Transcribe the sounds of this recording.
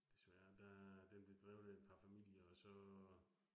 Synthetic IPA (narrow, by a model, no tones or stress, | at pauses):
d̥e̝sʋæɐd̥æd̥enb̥led̥ʁɛʊð̩ˠed̥̚pʰɑ̈fæmil̰jɐɒsɒ̽